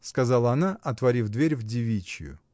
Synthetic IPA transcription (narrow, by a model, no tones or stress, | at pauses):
skɐzalˠəɐnaʔɐt̪vɐɾʲifd̪vʲeɾʲvdʲɪvʲit͡ɕɪ̰jʊ̰